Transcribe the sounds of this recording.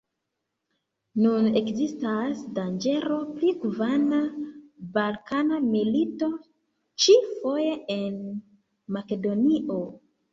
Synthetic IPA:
nune̞kzistasdand͡ʒe̞ɾo̞pliɡuvanabalkanamilito̞ | t͡ʃifo̞je̞en | make̞do̞niʔo̞

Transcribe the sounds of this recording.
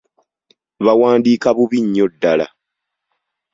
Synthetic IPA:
βawaːndiːkaβuβiɲːo̞dːala̰

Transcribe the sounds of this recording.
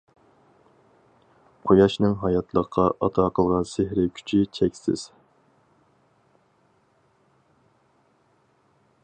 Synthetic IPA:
qʰojɑʃnɨŋɦɑjɑt̪ʰlˠəqʰːɑʔɑ̰t̪ʰɑːqʰəlˠʁɑnsɪhɾɪkʲʰy̥t͡ʃʰit͡ʃʰɛkʲsɪ̰z̥

